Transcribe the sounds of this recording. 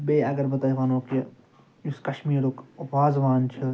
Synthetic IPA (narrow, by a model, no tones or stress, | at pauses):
beːɐɡɐɾbɐt̪aːiʋaːnoːki | juskɐʃmiːɾukʋaːzʋaːnt͡ʃʰɐ